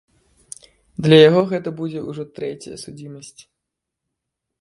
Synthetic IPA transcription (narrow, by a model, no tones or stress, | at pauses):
d̪lʲɐjaɣɔɣɛt̪ɐbud͡zʲɛuʐɔt̪ɾɛt͡sʲɐjɐ̰sud͡zʲimɐsʲt͡sʲ